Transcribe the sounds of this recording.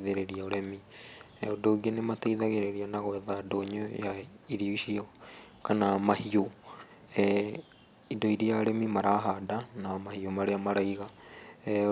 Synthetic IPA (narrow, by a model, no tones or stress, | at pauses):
ðeɾeɾiaoɾɛmiodoːɡenemataiðaɣeɾeɾianaɣwɛðadoɲojaiɾioiʃiɔ | kanamahio | idoiɾijaɾɛmimaɾaɦadanamahiomaɾeamaɾaiɣa